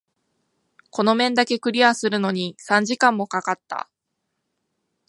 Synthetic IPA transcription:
ko̞no̞mẽ̞nd̪ake̞kɯ̟ɾʲiasɨɾɯ̟no̞ɲ̟isãɲ̟d͡ʑikãmːo̞kakat̪ːa̰

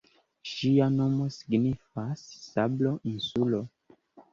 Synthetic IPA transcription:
ʃiano̞mo̞si̥ɡnifasːablo̞ʔinsulo

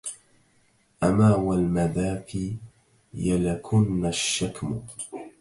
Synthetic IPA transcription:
ʔamaːwalmaðaːkiː | jalakʰʊnːaʃːakmʊ

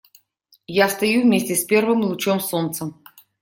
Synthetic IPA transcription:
jast̪ɐjuvmʲesʲtʲɪspʲe̞rvɨmlˠʊt͡ɕomso̞nt̪səm

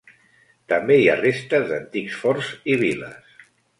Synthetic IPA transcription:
t̪əmbeiarest̪əzd̪ənt̪iksfɔɾziβilə̰s

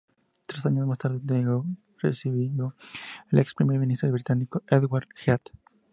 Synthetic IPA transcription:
t̪ɾesaɲozmast̪aɾðet̪eɡo | rḛsiβiðoelʔekspɾimeɾmĩnist̪ɾoβɾit̪anikoeðɣwaɾxjat̪

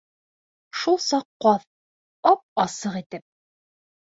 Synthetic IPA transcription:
ʃulˠsɑqːɑð | ɑp̚ɑsɤʁit̪ɘp̚

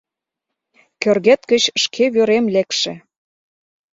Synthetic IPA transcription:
kørɣet̪kə̆t͡ɕʃkʰeβøɾemlekʃĕ

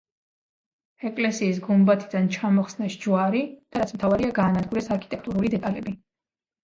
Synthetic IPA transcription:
ɛkʼlɛsiːs̬ɡumbat̪ʰid̪ant͡ʃʰamɔχsnaʃd͡ʒuwaɾid̪̥aɾat̪smt̪ʰavaɾiaɡaːnad̪ɡuɾɛsaɾkʰi̥t̪ʼɛkʰt̪ʼuɾulid̪ɛt̪ʼalɛbi

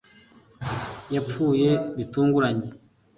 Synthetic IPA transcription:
jap͡fuːje̞βituːŋɡuɾaɲe

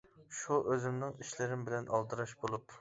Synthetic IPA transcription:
ʃuʔøzɪmnɪŋiʃlɪɾɪmbɪlɛnʔɑlˠt̪ɨɾɑʃbolˠup

